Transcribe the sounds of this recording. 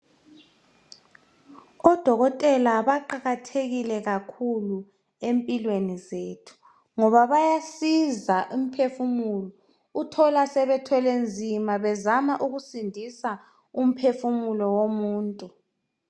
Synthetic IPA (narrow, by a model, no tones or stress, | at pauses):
ɔd̥ʱɔɣɔtʼɛlaβaǃaɣatʰeɣilɛɣakʰulu | empʼilwenizeːtʰu̥ | ŋɔβaβajasizaʔum̩pʰefumulɔ | utʰɔlasɛβɛtʰɛlend͡zʱimaβɛzamaʔuɣusindʱisa | um̩pʰefumulɔwomuːntʼu